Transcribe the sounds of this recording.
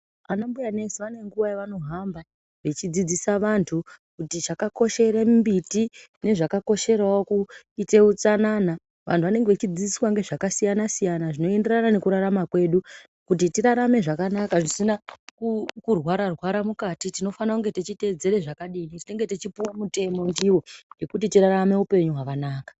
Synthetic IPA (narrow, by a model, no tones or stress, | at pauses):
anambujanesiʋaneŋɡuʋajeʋano̞ɦamba | ʋe̞t͡ʃid͡zid͡zisaʋantʰu | kutit͡ʃakako̞ʃe̞ɾembitine̞ʐakako̞ʃe̞ɾawoku | ite̞ut͡sanaːna | ʋʔa̰ntʰuʋane̞ŋɡeʋet͡ʃid͡zid͡zisswaŋɡe̞ʐakasijanasijanaʐino̞e̞nde̞ranane̞kuɾaɾamakwe̞ːɗu | kut̬itiɾaɾame̞ʐakanakaʐisinakukurwaɾarwaɾamukatitino̞fanakuŋɡe̞tet͡ʃite̞d͡ze̞ɾe̞ʐakaɗinitine̞ŋɡe̞tet͡ʃipuwamute̞mo̞ndiwo̞je̞kutitiɾaɾame̞upe̞ɲuɦakanaːkḁ